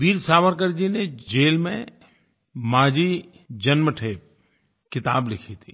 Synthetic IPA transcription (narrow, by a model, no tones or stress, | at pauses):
ʋiːɾsaːʋəɾkəɾd͡ʒined͡ʒeːlmḛ̃ | maːd͡ʒi | d͡ʒɐnməʈʰeːp̚ | kɪt̪aːblɪkʰit̪ʰiː